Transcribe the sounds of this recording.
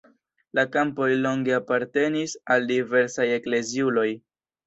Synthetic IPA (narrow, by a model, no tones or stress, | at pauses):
lakampo̞jlo̞ŋɡe̞apaɾte̞nisaldive̞ɾsaje̞kle̞ziulo̞j